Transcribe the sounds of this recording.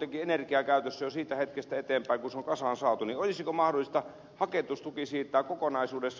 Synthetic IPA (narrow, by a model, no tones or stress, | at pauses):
t̪ekienerkiɑkæˑyt̪øsːæjosiːt̪æhet̪kest̪æet̪eːmpæiŋkunseoŋkɑsɑːnsɑːt̪uniolisikomɑhdolːˑist̪ɑ | hɑket̪ust̪ukisiːt̪ːˑæːkokonɑisuːdes